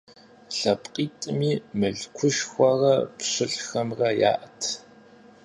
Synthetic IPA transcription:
ɬɐpʼqʼiːtʼɨmiːmɨɮkʷʰʊʃxʷɐrɐpɕʷɨɬxɐmrɐja̰ːʔɐtʰ

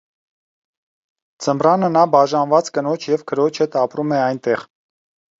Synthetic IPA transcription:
d͡zəmbrɑnənɑbɑʒɑnvɑt͡skənɔt͡ʃʰjɛvkʰəɾɔt͡ʃʰɛt̪ɑpɾumɛɑjnt̪ɛʁ

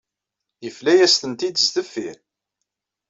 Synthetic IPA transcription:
jəflæjæst̪ənt̪id̪əst̪əfːiɾ

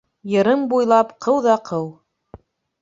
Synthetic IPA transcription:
jɤ̆ɾɤmbujlˠɑpqʰɤwðɑqʰɤw

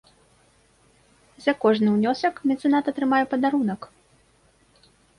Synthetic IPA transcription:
zʲɐkɔʐnɨwnʲɔsɐkmʲɛnt̪sɨnat̪ɐt̪ɾɨmajɛpɐd̪aɾunɐk

